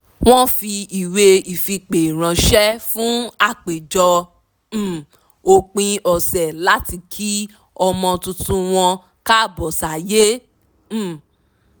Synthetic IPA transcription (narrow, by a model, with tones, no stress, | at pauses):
w̃ɔ̃˦fi˧i˨we˧i˨fi˧k͡pe˨ɾ̃ã˨˧ʃɛ˦fũ˨˦a˦˨k͡pe˨d͡ʒɔ̃˧˨ | o˧k͡pĩ˧ɔ˨sɛ˨la˦ti˧kʰi˦ | ɔ˧mɔ̃˧tũ˧tũ˦w̃ɔ̃˧ | ka˦˨bɔ˨sa˨je˦˨